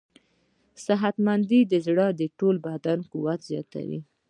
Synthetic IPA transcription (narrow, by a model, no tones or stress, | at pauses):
sɪɦat̪mand̪id̪əzɽɑd̪əʈolbad̪ankuwat̪zjɑ̰t̪a̰wḭ